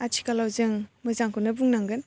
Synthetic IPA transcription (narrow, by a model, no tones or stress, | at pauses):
atʰi̥kalawzɯŋmɯzaŋkʰɯnɯbuŋnaŋɡɯn